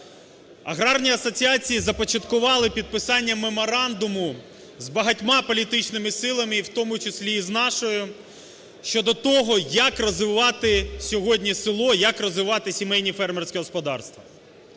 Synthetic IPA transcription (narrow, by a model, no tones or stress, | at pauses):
ɐ̰ɦɾɑrnʲiɐsɔt͡sʲiɑt͡sʲijizɐpɔt͡ʃɐt̪kʊʋɑlˠɪpʲid̪̚pɪsɑnʲːɐmemɔɾɑnd̪ʊmʊ | zbɐɦɐtʲmɑpɔlʲit̪ɪt͡ʃnɪmɪsɪlˠɐmɪiwt̪ɔmʊt͡ʃɪsʲlʲiːznɑʃɔjʊ | ʃt͡ʃɔd̪ɔt̪ɔɦɔjɐkrɔzʋɪʋɑt̪ɪsʲɔɦɔdʲnʲisɪlˠɔjɐkrɔzʋɪʋɑt̪ɪsʲimɛjnʲifɛrmɛrsʲkʲɛɦɔspɔd̪ɑ̰rst̪ʋɐ